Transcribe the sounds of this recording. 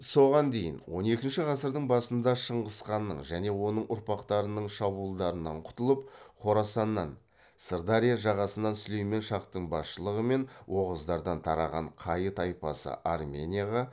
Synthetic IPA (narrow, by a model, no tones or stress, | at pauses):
so̞ʁɑnd̪e̞jɪ̰nwo̞̰ne̞kʲɪnʃɪʁɑsəɾd̪əɴbɑsənd̪ɑʃəɴʁəsqɑnːəɴʒæne̞wo̞nəɴʔʊɾpɑqt̪ɑɾənəɴʃɑbuəlˠd̪ɑɾənɑɴqʰʊ̥t̪əlˠəp̚qʰo̞ɾɑsɑnːɑn | səɾd̪ɑɾijaʒɑʁɑsənɑnsʏlejme̞nʃɑqt̪əɴbɑsʃəlˠəʁəme̞nwʔo̞ʁəzd̪ɑɾd̪ɑnt̪ʰɑɾɑʁɑɴqʰɑjət̪ɑjpɑsə̰ʔarmʲe̞̰nʲijaʁɑ